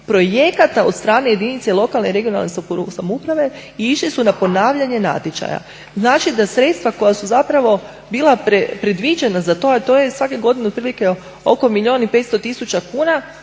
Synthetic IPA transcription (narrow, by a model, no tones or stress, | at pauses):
pɾo̞jekat̪aod̪st̪ɾaːnejed̪init̪selˠo̞kalne̞ɾe̞ɡijo̞na̰lˠnessamoupɾaʋe̞ | iiʃlisunapo̞naːʋʎaɲe̞na̰t̪ʲjet͡ʃa̰ja̰ | znaːt͡ʃid̪asɾe̞t̪st̪ʋako̞jasuzapɾaʋo̞ | biːlˠapɾepɾe̞d̪ʋid͡ʒenazat̪o̞at̪oːjesʋakeɡo̞d̪inuot̪pɾiːlike | o̰ko̞miʎio̞ːnipe̞t̪st̪o̞t̪isut͡ʃakuːna